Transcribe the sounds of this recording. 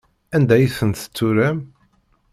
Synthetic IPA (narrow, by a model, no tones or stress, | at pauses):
ænd̪æjəθənt̪ə̥t͡sːuɾæm